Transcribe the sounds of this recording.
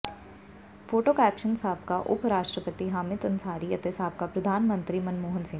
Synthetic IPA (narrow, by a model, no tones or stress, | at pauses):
foːʈoːkɛːkʃənsaːb̚kaʔʊ̰pɾaːʃʈɾəpət̪iɦaːmɪd̪ɐnsaːɾiɐt̪esaːb̚kapɾɐd̪ʱaːnmə̃nt̪ɾimɐnmoːɦənsɪ̃ŋ